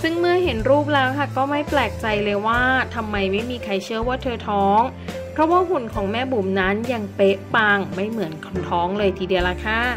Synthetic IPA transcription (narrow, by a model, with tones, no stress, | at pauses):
sɯ˥˩ŋmɯ˥˩ɐɦe˩˦nɾuː˥˩p̚lɛː˦˥wkʰa˥˩kɔː˥˩ma˥˩jplɛː˨˩k̚t͡ɕa˧jlɤː˧jwaː˥˩t̪ʰa˧mːa˧jma˥˩jmiː˧kʰa˧jt͡ɕʰɯ˥˩ɐwaː˥˩t̪ʰɤː˧t̪ʰɔː˦˥ŋ | pʰɾɔ˦˥waː˥˩ɦu˨˩nkʰɔː˩˦ŋmɛː˥˩buː˨˩mna˦˥nja˧ŋpe˦˥ʔpaː˧ŋma˥˩jmɯ˩˦ənkʰnt̪ʰɔː˦˥ŋlɤː˧jt̪ʰiː˧di˧˩əwla˧˥kʰa˥˩